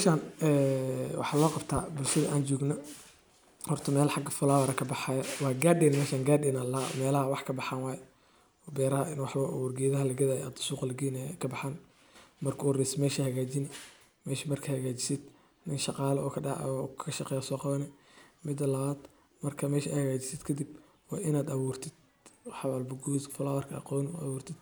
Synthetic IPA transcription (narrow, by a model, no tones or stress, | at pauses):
ʃaːnɛːwɑ̰ħɑːlɔːqɑbt̪ʰaːbʊlʃɐðɐʔaːnt͡ʃɔːɡnɔ | hɔrt̪ʰɔmɛːlħɑɡɐfʊlaːwɐɾɐkʰɐbɑħaːjɐwɑːɡaːdɛnmɛːʃaːŋɡaːɖɪnɐlamɛːlɐhɐwɑħkʰɐbɑħaːnwɑːj | ɔbɛːɾɐɦɐʔɪnwɑħwɐʔɔwɐrɡɪjɐðɐɦɐlɐɡɐðaːjɐ̰d̪suːqɐlɐɡiːnɛkʰɐbɑħaːn | mɐrkʰuːrɪsmɛːʃɐhɐɣaːt͡ʃɪnɛ | mɛːʃɐmɐrkʰɐhɐɣaːt͡ʃɪ̥sɪd̪ | nɪnʃɑqɑːlɐɔ̰ːkʰɐɖɑ̰ɔkʰɐʃɑqɛːjɐsɔːqɑβɐnɛ | mɪd̪ɐlɐβaːd̪ | mɐrkʰɐmɛːʃɐhɐɣaːt͡ʃɪ̥sɪd̪kʰɐd̪ib | wɑːʔɪnaːd̪ɐβuːrt̪ʰɪd̪̥ | wħɑwalbɐɡuːdfɔlaːwɐrkʰɐɑ̰qɔːn̰ʔɐ̰wuːrt̪ʰɪd̪̥